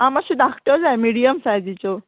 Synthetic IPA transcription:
amaɕid̪akʰʈəɾd͡zajmiɽijəmsajd͡zit͡ɕɔ

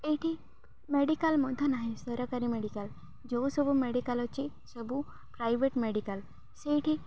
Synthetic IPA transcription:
eʈʰi | meɖikalmɔd̪ʱənaɦĩsəɾakaɾimeɽikal | d͡ʒosəbumeɽikalɔt͡ʃi | səbu | pɾajʋeʈmeɽikal | seʈʰi

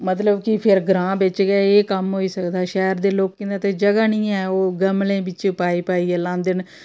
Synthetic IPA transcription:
mət̪ləbkɪpʰɪɾɡɾãːbɪt͡ʃɡɛːeːkəmɦoːiːsəkd̪aːʃɛːɾd̪eːloːkkẽːnd̪aːt̪eːd͡ʒəɡaːnĩːɛːoːɡəmlẽːbɪt͡ʃpaːiːpaːiːɛːlãːnd̪ɪn

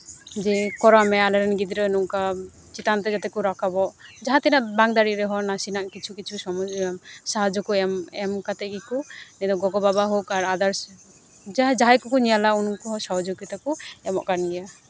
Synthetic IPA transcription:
d͡ʒɛkɔɾɔamɛalɛɾɛnɡid̪ɾənuŋka | t͡ʃit̪ant̪ɛd͡ʒat̪ɛkuɾɔkabɔʔd͡ʒaɦat̪ɛnaʔbaŋd̪aɾiʔɾɛɦɔnasinaʔkit͡ʃʰukit͡ʃʰusɔmɔsaɦad͡ʒɔkɔɛmɛmkat̪ɛʔɡɛkɔnɛd̪ɔɡɔɡɔbabaɦokaɾad̪aɾ | d͡ʒd͡ʒaɦakɔkɔɲijalaunkɔɦɔsɔɦɔd͡ʒoɡit̪akɔɛmɔʔkanɡɛja

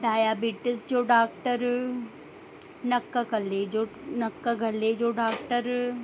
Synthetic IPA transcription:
ɖaːjaːbiːʈɪsd͡ʒoːɖaːk̚ʈəɾ | nɐkːakɐled͡ʒoːnɐkːaɡʱɐled͡ʒoːɖaːk̚ʈəɾ

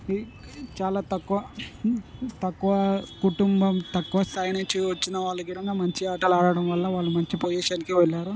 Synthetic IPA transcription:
i | t͡ʃaːlaːt̪ɐkːuʋɐ | t̪ɐkːuʋɐkuʈumbɐmt̪ɐkːuʋɐsɐːjnet͡ʃːiʋɐt͡ʃːinɐʋaːɭːɐkid̪ɐŋɡaːmɐɲt͡ʃiaːʈɐlaːɽɐɽɐmʋɐlːɐʋaːɭːumɐɲt͡ʃipojɛːʃaːnikiʋɛlːaːɾu

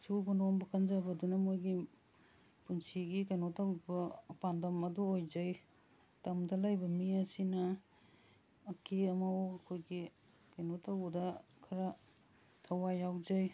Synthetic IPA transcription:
subonombɐkʰɐnzabɐdunɐmojɡi | punsiɡikɐjnotawbɐpandɐmɐduojd͡ʒɐj | tɐmdɐlɐjbɐmiɐsinɐ | keɐmɐwɐkʰojɡi | kɐjnotawdɐ | kʰɐɾɐ | tʰɐwajawd͡ʒɐj

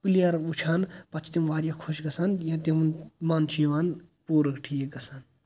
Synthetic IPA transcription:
pilijɐɾut͡ʃʰaːnpɐt͡ʃʰt̪imʋaːɾjakʰoʃɡɐsaːnjɐ̃t̪̬imunmaːnt͡ʃʰiʋaːn | puːɾɐkʈʰijeɡɐsaːn

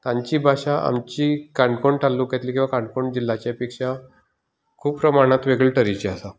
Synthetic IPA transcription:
t̪ãɲt͡ɕiːbʱaɕaʔa̰mt͡ɕikaɳɖkoɳʈʰalːukɛt̪liːkĩw̃ʋakãɳɖkoɳd͡ʑilːat͡ɕjapikʂa | kʰuːppɾəmaɽ̃at̪ʋeɡəɭʈəɾit͡ɕiasa

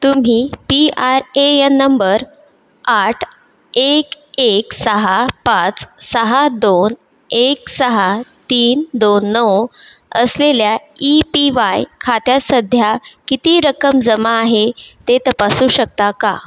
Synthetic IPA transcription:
t̪um̤iːpiaɾeenːəmbəɾ | aʈʰ | ek | eksəɦapat͡ssəɦad̪on | eksəɦat̪iːnd̪onːəw | ə̰sleljaipiʋajkʰat̪jasəd̪ʱjakit̪iːɾəkəmd͡zəmaːɦet̪et̪əpasuːɕək̚t̪aka̰

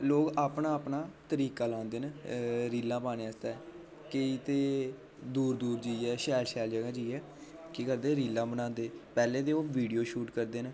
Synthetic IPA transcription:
loːkaːpnaːəpnaːt̪əɾiːkaːlãːnd̪eːnɾiːlːãːpaːneaːst̪aɛ | kəiːt̪eː | d̪uːɾd̪uːɾd͡ʒiːɛːʃɛːlʃɛːld͡ʒəɡãːd͡ʒiːɛː | kikəɾd̪eːɾiːlːãːbənãːnd̪eːpɛːlẽːt̪eːoːʋiːɖijoːʃuːʈkəɾd̪eːn

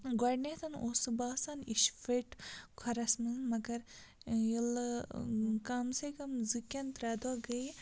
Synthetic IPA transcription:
ɡɐɖnet̪ʰɐnoːsɨbaːsaniʃfeʈkʰɐɾɐsmɨnmɐɡɐɾ | jil | kamsekɐmzɨkʲɐnt̪ɾaːd̪oɡɐj

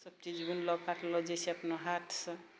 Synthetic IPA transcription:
sʌb̚t͡ʃid͡ʒbunlɔɡkaʈʰlɔd͡ʒɛseəpnoɦaʈʰsʌ̃

